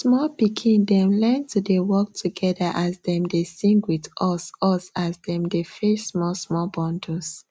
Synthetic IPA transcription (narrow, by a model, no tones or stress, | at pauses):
smɔlpikʰĩndɛ̃mlɛntudewɔk̚tʰuɡɛdəʔazdɛ̃mdesĩŋɡwidʔɔsɔsazdɛ̃mdefɛsmɔsmɔbɔ̃ndus